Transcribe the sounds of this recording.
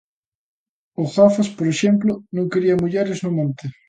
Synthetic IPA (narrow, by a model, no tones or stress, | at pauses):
ʊɣafaspoɾeʃɛmplʊnõŋkeɾiɐmuʎeɾɪznʊmõnt̪ɪ